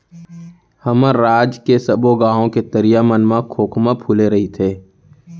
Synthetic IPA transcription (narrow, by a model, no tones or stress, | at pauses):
həməɾaːd͡ʒkesəboɡãːõket̪əɾijamənmãkʰoːkʰmãpʰuːleɾɐɦit̪ʰeː